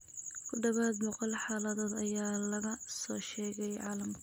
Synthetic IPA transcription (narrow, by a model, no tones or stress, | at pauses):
kʰʊɖɐβaːd̪mɔqɔlħaːlɐðɔːd̪ɐjaːlɐɣɐsɔːʃɛːɣɛjʕɑ̰ːlɐmkʰ